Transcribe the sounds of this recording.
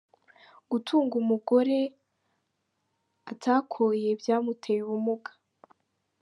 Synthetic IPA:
ɡ̥utʰuːŋɡumuɡo̞ɾe̞ | atʰaːkʰoje̞vjaːmutʰeβumuɡḁ

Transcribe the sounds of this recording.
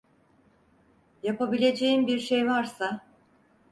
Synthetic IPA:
japabilʲe̞d͡ʒe̞jimbiɾʃejvaɾsa

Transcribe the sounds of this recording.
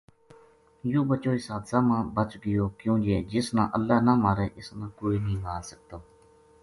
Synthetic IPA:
joːbət͡ʃoːiːsaːd̪saːmãːbət͡ʃɡəjoːkjõːd͡ʒeːd͡ʒɪsnã̰ːʔəlːaːnãːmaːɾeːʔɪsnãːkoːiːnĩːmaːɾsək̚t̪oː

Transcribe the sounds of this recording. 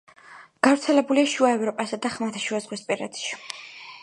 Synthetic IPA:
ɡ̥avɾt̪sʰɛlɛbuliaʃuaɛvɾɔpʼasad̪aχmat̪ʰaʃuazʁwispʼiɾa̰t̪ʃi̥

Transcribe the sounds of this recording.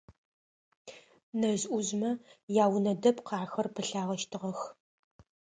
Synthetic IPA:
nɐʑʔʷʊʑmɐjaːwnɐdɐpqɑːxɐrpʰɨɬaːʁɐʃtʰɨʁɐx

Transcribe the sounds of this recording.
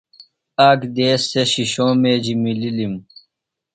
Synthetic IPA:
aːkd̪eːsːeɕiɕõːmeːd͡ʑimililim

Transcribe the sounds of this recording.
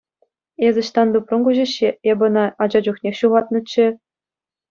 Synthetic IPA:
ezʲɘ̆ɕt̪ɑnd̪uprɤ̆ŋɡuʑɘ̆ɕːeebʲɤ̆nɑɑd͡ʑɑd͡ʑuχnʲexʲɕuʁɑt̪̚nɤ̆t͡ɕːɘ̆

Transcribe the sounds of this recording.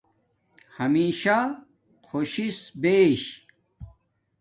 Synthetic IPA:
hɐmiːɕa | kʰoɕisbeːɕ

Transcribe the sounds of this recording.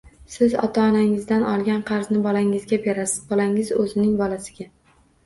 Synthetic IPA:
sɪzɒ̰t̪ʰaːnaŋɪzd̪anɒlˠɡʲanqʰɑɾznɪbɒlaŋɪzɡʲabe̞ɾasɪ̥zbɒlaŋɪzɵzɪnɪŋbɒlasɪɡʲa

